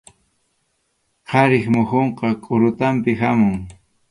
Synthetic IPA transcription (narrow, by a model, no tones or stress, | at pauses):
qʰɑɾɪχmʊxoɴqɑkʼʊɾʊt̪ampɪɦamʊŋ